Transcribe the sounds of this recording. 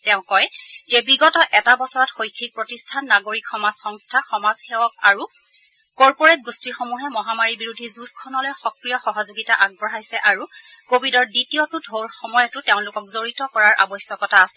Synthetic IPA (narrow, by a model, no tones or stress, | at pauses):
tɛʊ̃kɔjzɛbiɡɔtɔʔɛtabɔsɔɹɔtxojkʰːik̚pɹotistʰanːaɡoɹikxɔmazxɔŋstʰaxɔmazxewɔkaɹu | kɔɹpoɹet̚ɡustixomuɦɛmɔɦamaɹibiɹudʱizuskʰɔnɔlojxɔkɹijɔxɔɦɔzoɡitaʔaɡ̚bɔɹajsɛʔaɹukobidɔɹditijotʊdʱoɹxɔmɔjɔtʊteʊ̃lʊkɔk̚zoɹitɔkɔɹaɹʔa̰bɔsjɔkɔtaːsɛ